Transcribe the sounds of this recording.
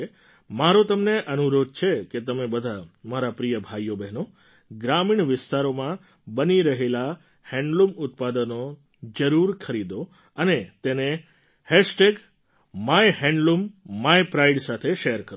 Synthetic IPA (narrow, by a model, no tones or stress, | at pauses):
maɾot̪əmneʔənuɾod̪̚t͡ʃʰeket̪əmebəd̪ʱamaɾapɾijəbʱajːobɛɦno | ɡɾamiɳʋɪst̪aɾomã | bəniɾəɦela | hɛ̃ɳɖlumʊt̪̚pad̪əno | d͡ʒəɾuɾkʰəɾid̪o | ənet̪ene | hɛʃʈeɡ | majhɛ̃ɳɖlumːajpɾaiɖsat̪ʰeʃɛəɾkəɾ